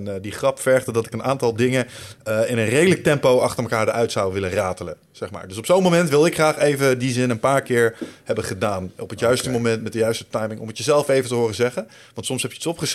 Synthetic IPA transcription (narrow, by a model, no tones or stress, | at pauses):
ndiχrɑpfɛɹχtədɑtɪkənaːntɑlˠdɪŋəɪnənrejdələk̚tɛmpowɑχtəɹməkaːɹdəɹʔœɥtsɑwʋɪləraːtələ | z̥ɛχma̰ːɹdɵsɔpsownmomɛntʋɪlˠdɪkχraːχejvədizɪnənpaːɹkɪːɹhɛbəχədaːnɔpətjœɥstəmomɛntmɛt̚dəjœɥstə̥tɑjmɪŋɔ̰mətjəzɛlˠfejvəntəɦʊːrəzɛχən | ʋɑntsɔmsɦɛpjəətsɔpχəs